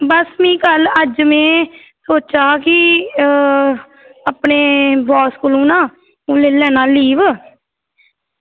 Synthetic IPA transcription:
bəsmĩːkələd͡ʒmẽː | soːt͡ʃaːkɪ | apneːbɔːskʊlũːnãː | ũːleːlɛːnãːliːʋ

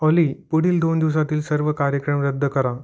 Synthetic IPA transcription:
ɔlipuɽ̤iːld̪ond̪iʋs̬at̪iːlsəɾʋəkaɾjəkɾəmɾəd̪ʱːəkəɾa

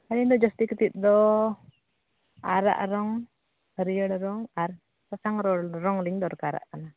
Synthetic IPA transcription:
aɾind̪ɔd͡ʒɔst̪ikət̪it̪̚ˀd̪ɔ | aɾa̰ʔɾɔŋ | həɾijəɽɾɔŋaɾ | sasaŋɾɔɾɔŋliɲd̪ɔɾkaɾa̰ʔkana

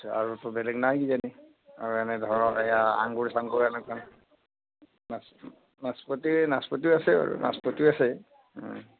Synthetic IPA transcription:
a̰ɹutʊbɛlɛɡnajɡizani | a̰ɹuɛnɛdʱɔɹɔɛjaa̰ŋkoɹisaŋkoɹiɛnɛkan | nas | naspotinaspotiasɛa̰ɹṵna̰spotiasɛ

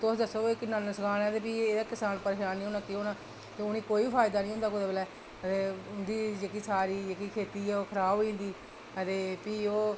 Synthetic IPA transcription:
t̪ʊsd̪əsːoːɪknənəsəkʰaːnɛːt̪eːpiːeːd̪aːkɪsaːnpəɾeʃaːnːĩːoːnaːkɪɦoːnaː | t̪eːʊniːkoːiːbiːpʰaːɪd̪aːnĩːʊ̃nd̪aːkod̪aːbəlɛː | ət̪eːʊnd̪iːd͡ʒeːkiːsaːɾiːd͡ʒeːkiːkʰeːt̪iːɛoːkʰəɾaːboːĩːnd̪iː | ət̪eːpiːoː

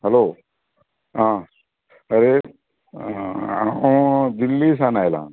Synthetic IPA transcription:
hɛloː | ɦã | əɾe | ãwd̪ilːisanajlã̰

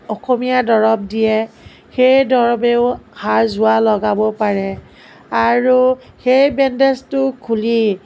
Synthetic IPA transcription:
ɔxomijadɔɹɔp̚dijɛ | xejdɔɹɔbeʊhaɹzʊwalɔɡabɔpaɹɛ | aɹu | xejbɛndɛstʊkʰuli

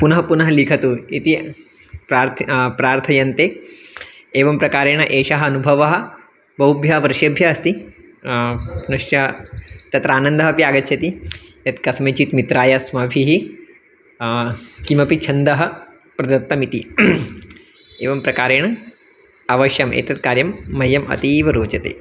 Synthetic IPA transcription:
punɐɦɐpunɐɦɐlikʰɐt̪uit̪i | pɾaːɾt̪pɾaːɾt̪ʰɐjɐnt̪eː | eːʋɐmpɾɐkaːɾeːɳ̃ɐʔeːʃɐɦɐɐnubʱɐʋɐɦɐ̆ | bɐubʱjɐʋɐɾʃjɐbʱjɐɐst̪i | ɐnɐʃjɐt̪ɐt̪ɾaːnɐnd̪ɐɦɐpiaːɡɐt̪ːt͡ʃʰɐt̪ijɐt̪kɐsmet͡ʃit̪mit̪ɾaːjɐsmɐbʱiɦi | kimɐpit͡ʃʰɐnd̪ɐɦɐ̆ | pɾɐd̪ɐt̪ːɐmit̪i | eːʋɐmpɾɐkaːɾeːɳɐ | ɐʋɐʃjɐmḛːt̪ɐt̪kaːɾjɐmːɐjɐmɐ̰t̪iːʋɐɾoːt͡ʃɐt̪ḛː

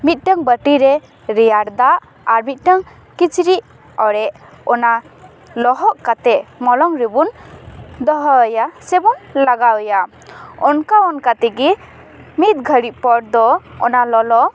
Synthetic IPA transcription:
mit̪̚ˀʈəŋbəʈiɾɛ | ɾɛjaɾd̪aʔ | aɾmit̪̚ˀʈəŋ | kit͡ʃɾiʔ | ɔɾɛʔ | ɔna | lɔɦɔʔkat̪ɛʔmɔlɔŋɾibund̪ɔɦəːjasɛbɔnlaɡawja | ɔnkaɔnkat̪ɛɡi | mit̪̚ɡʱəɾiʔ̚pɔɽ̚d̪ɔɔnalɔlɔ

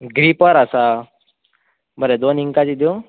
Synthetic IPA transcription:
ɡɾipəɾasa | bəɾed̪oniŋkad͡ʑid̪jo

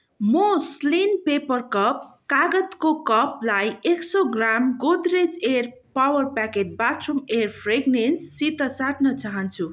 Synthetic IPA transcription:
mʌslinpepʌrkʌp̚kaɡʌt̪kokʌplajeksoɡramɡod̪red͡zer | pawʌrpakeʈ̚batʰrumerpʰreɡnensːit̪ʌsaʈnʌt͡saɦʌnt͡sʰu

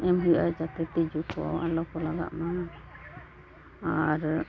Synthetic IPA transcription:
ɛmɦujʔad͡ʒat̪ɛʈid͡ʒukʰɔa̰a̰lɔkɔlaɡa̰ʔma | aɾ

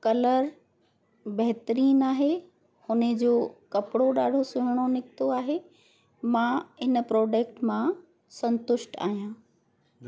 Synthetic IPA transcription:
kɐləɾ | bɐɦɪt̪əɾiːnaːɦe | hʊnə̆d͡ʑoːkɐpɪɽoɗaːɖʱosʊɦɪɽ̃onɪkt̪oaːɦe | mãɪn̆pɾɔːd͡ʑeːk̚ʈmã | sɐ̃nt̪ʊʃʈa̰ːɦijãː

